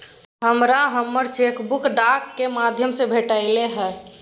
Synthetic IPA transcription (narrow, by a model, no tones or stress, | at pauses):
ɦəmɾaɦəmːəɾt͡ʃeːkbʊkɖakːemad̪ʱjəmsebʱeʈəɪleɦɛː